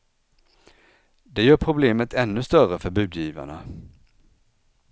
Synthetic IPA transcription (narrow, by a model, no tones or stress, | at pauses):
d̪ɛjœːɾpʰɾʊbleːmət̪ʰɛnːɵst̪œɾəfœɾbʉ̟ːd̪jiːva̰ɳa